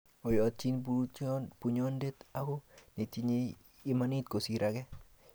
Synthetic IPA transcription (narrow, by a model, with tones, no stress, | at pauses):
o˨jɔ˨t̚t͡ʃi˦nupu˨ɲɔ˦nde˦t̪akɔne˨ti˨ɲeː˦ | ma˦nit̪̚ko˨siɾakɛ